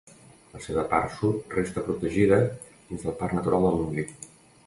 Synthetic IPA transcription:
ləseβəpa̰ɾsut̪rest̪əpɾut̪əʒiðə | ðinzðəlˠparnət̪uɾalˠd̪əlˠmuŋɡli

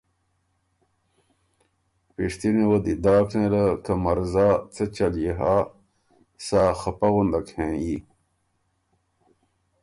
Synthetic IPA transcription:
piʂt̪iniwɐd̪id̪aːknẽlɐkɐmɐɾzaːt͡sɐt͡ɕɐljiɦa | saːxɐpɐɣund̪ɐkhẽːi

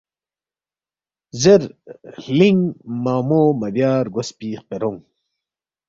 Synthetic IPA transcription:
zeɾliŋmaːmoːmɐbjaːɾɡospiːqeɾoŋ

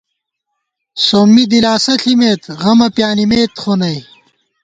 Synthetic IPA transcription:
soːmːid̪ilaːsɐɬʰimeːt̪ʁɐmɐpjaːnimeːt̪χonɐj

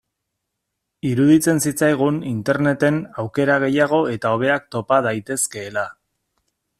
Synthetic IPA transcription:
iɾuðit͡se̞nsit͡sajɣ̞unint̪e̞ɾne̞t̪e̞nawke̞ɾaɣ̞e̞jaɣ̞o̞e̞t̪ao̞β̞e̞akt̪o̞pað̞ajt̪e̞ske̞ːla

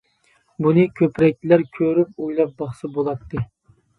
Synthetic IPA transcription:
bunɨkʲʰøpɾɛk̚ʲt͡ʃ̪læɾkʲʰøɾypojlˠɑp̚bɑχsɑbolˠɑt̪ʰːɨ

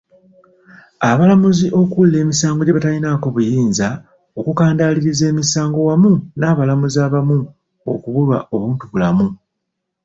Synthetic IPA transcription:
aβalamuziʔo̞kulːe̞ːmisaːŋɡo̞ɟeβatalinako̞βujiːnza | o̞kukaːndaliɾize̞ːmisaːŋɡo̞wamunaːβalamuzaːβamu | o̞̰kuβulwa̰ʔo̞βuːntuβulamu

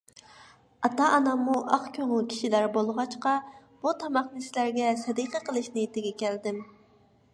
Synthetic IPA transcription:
ɑt̪ɑʔɑnɑmːuʔɑχkʲʰøŋɪlkʲʰi̥ʃilæɾbolˠʁɑt͡ʃqɑ | b̥ut̪ʰɑmɑχnɨsɪlæɾɡʲɛsɛd̪iqəqʰəlˠɨʃnɪt̪ʰɪɡʲɛkʲʰɛld̪ɪm

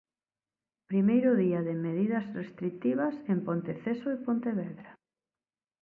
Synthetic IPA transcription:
pɾimejɾʊðiaðemeð̞iðɐzrest̪ɾit̪iβ̞ɐsempont̪eθesoepont̪eβɛðɾa

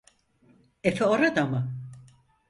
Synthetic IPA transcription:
efɛoɾad̪amɯ

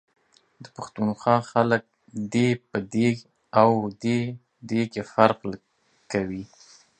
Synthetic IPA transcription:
d̪əpaxt̪unxwɑxalək̚ | d̪epəd̪e | awd̪e | d̪eɡefaɾql | kawi

